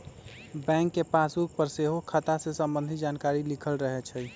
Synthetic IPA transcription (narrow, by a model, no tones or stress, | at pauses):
bɛ̃ŋkːepasuk̚pəɾseɦokʰət̪asesəmbə̃nd̪ʱid͡ʒankaɾilikʰəlɾəɦɛt͡ʃʰəj